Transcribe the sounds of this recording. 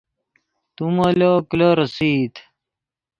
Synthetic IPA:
t̪umɐlokloɾɐsit̪

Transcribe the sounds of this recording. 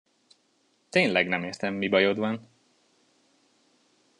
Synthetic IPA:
t̪eːnlɛɡnɛmeːrt̪ɛmːibɒjo̞d̪ʋɒn

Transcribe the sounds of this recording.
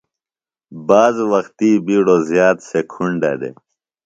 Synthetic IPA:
baːzwɐxt̪ibiɽozjaːt̪sekʰuɳɖa̰d̪ḛ

